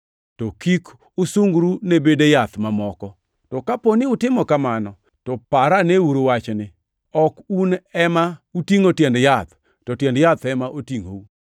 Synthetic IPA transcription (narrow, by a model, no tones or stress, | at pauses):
tɔkik | ʊsuŋɡɾunebedejat̪mamɔkɔ | tɔkaponɪʊtɪmɔkamanɔ | tɔpaɾaneuɾowat͡ʃnɪ | ɔkunɛmautiŋotjɛndjat̪ | tɔtjɛndjat̪ɛmaʔotiŋo̰u